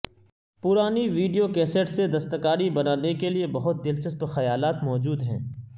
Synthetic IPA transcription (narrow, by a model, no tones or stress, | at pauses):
pʊɾaːniʋiːɖijokɛːseʈsed̪ɐst̪əkaːɾibɐnaːnekeliebɐɦʊt̪̚d̪ɪlt͡ʃəspxɐjaːlaːt̪mɔːd͡ʒuːd̪ɦɛ̰̃ː